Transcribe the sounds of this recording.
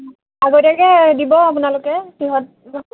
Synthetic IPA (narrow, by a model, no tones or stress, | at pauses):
aɡodakɛdibɔapunalʊkɛpiɦɔt̚